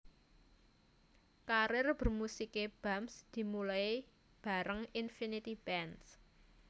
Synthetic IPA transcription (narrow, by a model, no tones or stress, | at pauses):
kaɾɪrb̥ə̤rmusikeb̥amsd̪̥i̤mulae | b̥a̤ɾəŋinfinit̪ib̥ɛns